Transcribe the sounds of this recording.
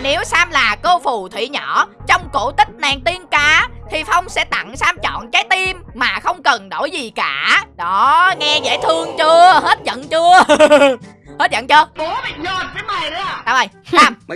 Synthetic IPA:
ne˨˦wsaː˧mlaː˨˩ko˧fu˨˩t̪ʰwḭ˧˨ɲɔ˧˩t͡ɕɔ˧wŋ͡mko̰˧˩t̪ï˦˥k̟̚naː˨˩ŋt̪i˧ənkaː˧˩t̪ʰi˨˩fɔ˧wŋ͡msɛ̰˧˥t̪a̰˧˨ŋsaː˧mt͡ɕɔ̰˧˨nkaː˨˦jt̪i˧mːaː˨˩xə˧wŋ͡mkə˨˩nɗo˧˩jzi˨˩kaː˧˩ɗɔ˨˦ŋɛ˧zḛː˧˥t̪ʰɨ˧əŋt͡ɕɨ˧əhe˦˥t̚zə̰˧˨nt͡ɕɨ˧ə | he˦˥t̚zə̰˧˨nt͡ɕɨ˧əɓu˨˦əɓa̰ː˧˨ŋzə˧˩t̪ʰaː˨˦ŋmə˨˩jɗɨ˧˦taː˨˧˩ɓə˨˩jsaː˧m

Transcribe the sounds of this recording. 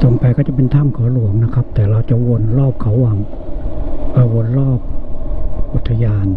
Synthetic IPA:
t̪o˧ŋpaː˧jkɔː˥˩t͡ɕa˨˩p̬e˧nt̪ʰa˥˨mkʰɔː˨˦lu˩˦əŋna˦˥kʰa˦˥p̚t̪ɛː˨˩ɾaː˧wt͡ɕa˨˩wo˧nlɔː˥˩p̚kʰa˨˥˦waː˧˩ŋ | ka˧˩wo˧ənɾɔː˥˩p̚ | ʔu˨˩t̪ʰːa˧jaː˧n

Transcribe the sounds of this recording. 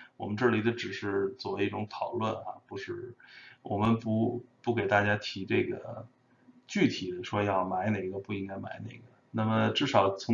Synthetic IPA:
wɔ̰˨˩mə˦nʈ͡ʂɤ˥˩li˧˥d̪ə˧ʈ͡ʂɻ̩˨˩ʂɻ̩˥˧t͡swɔ˥˩we˧˥i˥˩ʈ͡ʂʊ˧˥ŋt̪ʰɑ˨˩ʊlwə˥˩nɐ̰˩pu˧˥ʂɻ̩˥˩wɔ˨˩mə˧˦npu˧˥pu˥˩ke˨˩ɪt̪a˥˩t͡ɕja˥t̪ʰi˧˥ʈ͡ʂɤ˥˩ɡə̰˩ | t͡ɕy˥˩t̪ʰi˨˩˦d̪ə˦ʂwɔ˥jɑ˥˩ʊma˧˥ɪne˨˩ɪɡə˧pu˥˩i˥ŋka˥˧ɪma̰˧˥ɪnḛ˨˩ɪɡə˦na˥˩mə˩ʈ͡ʂɻ̩˥˩ʂɑ˨˩ʊt͡sʰʊ˧˥

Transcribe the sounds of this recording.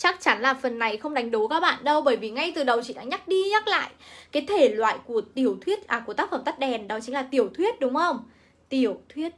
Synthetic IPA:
t͡ɕa˦˥k̚t͡ɕa˨˦nlaː˨˩fə˨˩nːa˨˩jxə˧wŋ͡mɗa˨˦jŋ̟ɗo˨˦kaː˦˥k̚ɓa̰ː˧˨nɗə˧wɓəː˧˩jvi˨˩ŋa˧jt̪ɨ˨˩ɗə˨˩wt͡ɕḭ˧˨ɗa̰ː˧˥ɲa˦˥k̚ɗi˧ɲa˦˥k̚la̰ː˧˨jkaː˨˦jt̪ʰe˧˩lwa̰ː˧˨jku˧˩ət̪i˨˩əwt̪ʰwi˦˥ət̚ʔaː˨˩ku˧˩aː˦˥k̚fə˧˩mt̪t̚ɗɛ˨˩nɗɔ˨˦t͡ɕï˨˦ŋ̟laː˨˩t̪i˨˩əwt̪ʰwi˦˥ət̚ɗʊ˨˦ŋ͡mxə˧wŋ͡m | t̪i˨˩əwt̪ʰwi˦˥ət̚

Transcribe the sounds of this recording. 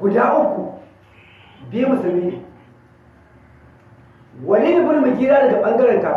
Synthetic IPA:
ɡʷu˨daː˦ʔu˦kːu˨ | bi˦mu˨su˨lmiː˦ni˨ | wɐ˨ni˦ni˦bu˦ni˦mu˨kiː˦ɾaː˦dɐ˨ɡa˨ɓɐ˦ŋɡɐ˦ɾe˨ŋka˨

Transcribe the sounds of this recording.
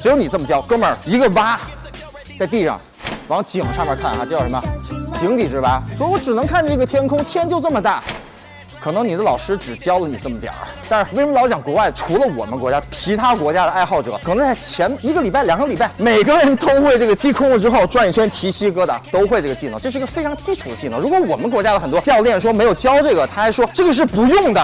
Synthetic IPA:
ʈ͡ʂɻ̩˧˥jo˧˥ʊni˨˩ə˥˩mə˩t͡ɕjɑ˥ʊkɤ˥mə˞˨˩i˧˥ɡə˧ʋa˥ | t͡sɪt̪i˥˧ʂɑ̰˥˩ŋ | wɑ˧˥ŋt͡ɕi˨˩ŋʂʰmə̰˨˧˥kʰa˥˩nxa̰˧˩ʈ͡ʂjʂə˧˥mə˧t͡ɕi˧˥ŋt̪i˨˩ʈ͡ʂɻ̩˧˥ʋa˥swɔ˧˥i˨˩wɔ˧˥ʈ͡ʂɻ̩˨˩nɤ˧˥ŋkʰa˥˩nə˧ʈ͡ʂɤ˥˩ət̪ʰjɛ˥nkʰʊ˥ŋt̪ʰjɛ˥nt͡ɕjo˥˧ʊʈ͡ʂɤ˥˩mə˩t̪a˥˩ | kʰɤ˨˩nɤ˧˥ŋni˨˩d̪ə˦lɑ˨˩ʊʂɻ̩˥ʈ͡ʂɻ̩˨˩t͡ɕjɑ˥ʊlə˨ni˨˩ʈ͡ʂɤ˥˩mə˩t̪jɑ̰˨˩˦t̪a˥˧nʂɻ̩˥˧we˥˩ʂə˧mə˧lɑ˧˥t͡ɕjɑ˨˩ŋkwɔ˧˥wa˥˩ɪʈ͡ʂʰu˧˥lə˧wɔ̰˨˩mə˦nkwɔ˧˥t͡ɕja˥t͡ɕʰi˧˥t̪ʰa˥kwɔ˧˥t͡ɕja˥d̪ə˧a˥˧ɪxɑ˥˩ʊʈ͡ʂɤ̰˨˩˦kʰɤ˨˩nɤ˧˥ŋt͡sa˥˩ɪt͡ɕʰjɛ˧˥ni˧˥ɡə˧li˨˩pa˥˩ljɑ˨˩ŋɡə˦li˨˩pa˥˩ɪme˨˩ɪɡə˧ɻə˧˥nt̪o˥ʊxwe˥˧ɪʈ͡ʂɤ˥˩ɡə˩t͡ɕi˥kʰʊ˥ŋlə˨ʈ͡ʂɻ̩˥xo˥˧ʊʈ͡ʂwa˥˧ni˥˩t͡ɕʰɥɛ˥nt̪ʰi˧˥ɕi˥kɤ˥d̪ə̰˨t̪o˥ʊxwe˥˧ʈ͡ʂɤ˥˩ɡə˩t͡ɕi˥˧n˥˨˩ŋʈ͡ʂɤ˥˧ʂɻ̩˥˩˧ɡə˧fe˥ɪʈ͡ʂʰŋt͡ɕi˥ʈ͡ʂʰu˨˩d̪ə˦t͡ɕi˥˩nɤ̰˥˩ŋ˧ɻu˧˥kwɔ˧˥wɔ˨˩mə˦nkwɔ˧˥t͡ɕja˥d̪ə˨xə˨˩nt̪wɔ˥t͡ɕjɑ˥˧ʊljɛ˥˩nʂwɔ˥me˧˥ɪjo˨˩ʊt͡ɕjɑ˥ʊʈ͡ʂɤ˥˩ɡə˩t̪ʰa˥xa˧˥ʂwɔ˥ʈ͡ʂɤ˥˩ɡə˩ʂ̬ɻ̩˥˩pu˧˥jʊ˥˩ŋd̪ə˩

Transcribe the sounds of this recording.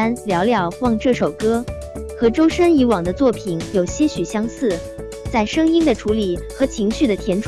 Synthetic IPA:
a˥nljɑ˧˥ʊljɑ˥˩ʊxwɑ˥˧ŋʈ͡ʂɤ˥˩ʂo˨˩ʊkɤ˥ | xɤ˧˥ʈ͡ʂo˥ʊʂə˥ni˧˥wɑ˨˩ŋd̪ə˦t͡swɔ˥˩pʰi˨˩njo˨˩ʊɕjɛ˥ɕy˨˩ɕjɑ˥ŋsɹ̩˥˩ | t͡sa˥˩ɪʂɤ˥ŋi˥ŋd̪ə˨ʈ͡ʂʰu˧˥li˨˩xɤ˧˥t͡ɕʰi˧˥ŋɕy˥˩d̪ə˩t̪ʰjɛ˧˥nʈ͡ʂʰ

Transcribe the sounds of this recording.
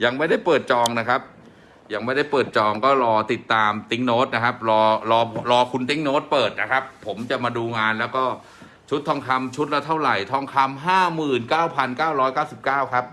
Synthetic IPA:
ja˨˩ŋma˥˩jda˥˩jpɤː˨˩t̪̚t͡ɕɔː˧ŋna˦˥kʰa˦˥p̚ | ja˨˩ŋma˥˩jda˥˩jpɤː˨˩t̪̚t͡ɕɔː˧ŋkɔː˥˩ɾɔː˧t̪i˨˩t̪ːaː˧mt̪i˦˥ŋnoː˦˥t̪̚na˦˥kʰa˦˥p̚ɾɔː˧ɾɔː˧ɾɔː˧kʰu˧nt̪i˦˥˩ŋnoː˦˥t̪̚pɤː˨˩t̪̚na˦˥kʰa˦˥pʰːo˩˦mt͡ɕa˨˩maː˧duː˧ŋaː˧nlɛː˦˥wkɔː˥˩ | t͡ɕʰu˦˥t̪ʰːɔː˧˩ŋkʰa˧mt͡ɕʰu˦˥t̪̚la˦˥t̪ʰa˥˩wɾa˨˩jt̪ʰɔː˧˩ŋkʰa˧mɦaː˥˩mɯː˨˩nkaː˥˩wpʰa˧nkaː˥˩wɾɔː˦˥jkaː˥˩wsi˨˩p̚kaː˥˩wkʰa˦˥p̚

